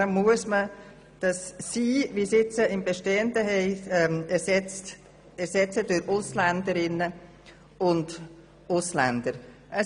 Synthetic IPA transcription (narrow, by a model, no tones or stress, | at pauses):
əmːuəsmə | d̥ɑsːiːviːsɪt͡səɪmbɛʃteːəndəɦɛɪmɛsɛt͡st | ɛɾsɛt͡sədʊɾʊslændəɾɪnə | ʊnd | ʊslænd̥əɾ | ʔə